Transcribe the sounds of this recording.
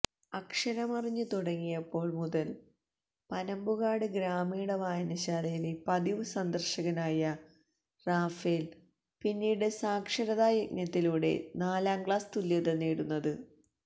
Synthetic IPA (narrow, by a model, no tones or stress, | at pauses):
ɐkʂɐɾɐmɐriɲːɨt̪uɽɐŋːijɐpːo̞ːɭmuðɐl | pɐnɐmbuɣaːɽɨɡɾaːmijuɽeʋaːjɐnɐɕaːlejilepɐðiʋɨsɐnd̪ɐrɕɐɣɐnaːjɐ | raːfel | pinːiːɽɨsaːkʂɐɾɐðaːjɐk̚njɐt̪ːiluːɽe̞̰naːlaːmɡɭaːst̪ulːjɐðeneːɽunːɐðɨ